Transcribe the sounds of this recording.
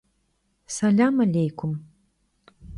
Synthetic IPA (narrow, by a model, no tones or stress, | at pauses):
sɐlʲamɐlʲejkʰʷum